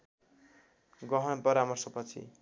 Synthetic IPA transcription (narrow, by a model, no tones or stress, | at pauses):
ɡʌɦʌnpʌɾamʌrsʌpʌt͡sʰḭ